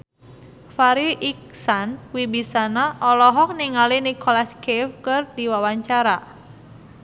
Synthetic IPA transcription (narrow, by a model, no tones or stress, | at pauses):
faɾiʔik̚sanwibisanaʔɔlɔɦɔk̚niŋalinikɔlaskifkɨrdiwawaɲt͡ʃaɾa